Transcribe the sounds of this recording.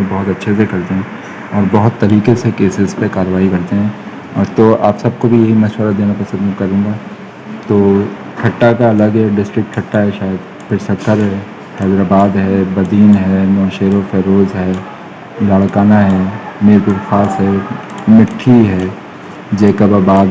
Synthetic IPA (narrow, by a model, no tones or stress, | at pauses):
ẽbɔɦʊt̪ɐtːʃʰes̬ekɐɾt̪eẽ | ɔːɾbɔɦʊt̪ːɐɾiːkesekeːsɪzpekaːɾəʋaːikɐɾt̪eɦɛ̃ | ɔːɾt̪oa̰ːpsɐb̚kobʱijɐɦimɐʃwəɾad̪eːnapɾɐsə̃nd̪kɐɾũːɡa | t̪oː | ʈʰɐʈːakaɐləɡɦɛɖɪsʈɾɪk̚ʈkʰɐʈːaɦɛʃaːjəd̪ | pʰɪɾsɐt̪ʰːəɾɦɛ | hɛːd̪ɾaːbaːd̪ɦɛːbɐd̪iːnɦɛnɔːʃeːɾofɛːɾoːzɦɛː | laːɭkaːnaɦɛːmeːɾbɪɾxaːsɦɛmɪʈʰːiɦɛ | d͡ʒeːkabaːbaːd̪